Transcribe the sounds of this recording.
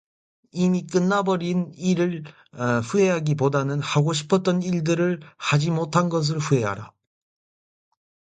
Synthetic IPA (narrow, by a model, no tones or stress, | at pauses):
imik͈ɯnːabʌɾiniɾɯɭ | ɸue̞ɦaɡipodanɯnhaɡoɕʰi̥pʰʌt̚t͈ʌniɭdɯɾɯɭhad͡ʑimotʰanɡʌs̬ɯɭɸue̞ɦa̰ɾa̰